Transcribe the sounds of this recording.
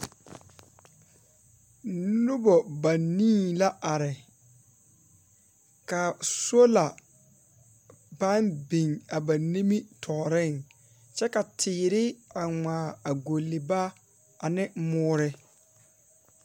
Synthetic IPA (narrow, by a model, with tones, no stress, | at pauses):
nʊ˦bɔ˨ba˨nĩː˦˨la˦a˨ɾɪ˨ | ka˨so˦la˨ | ba˦nbi˨ŋa˨ba˨ni˦mi˦tʰɔː˨ɾɪ˦˨ŋ | t͡ʃɛ˦ka˨tʰɪː˨ɾɪ˦a˨ŋʷaː˨a˨ɡo˨lːɪ˨ba˦ | a˨nɪ˦mʊː˦ɾɪ˦